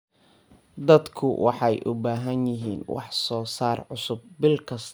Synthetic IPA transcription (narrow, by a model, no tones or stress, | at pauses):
d̪ɐd̪kʰʊwʔɑ̰ħɑjʔʊbaːɦɐnjɪɦiːnwɑ̰ħsɔːsaːrʕʊsʊb̚bɪlkʰɐs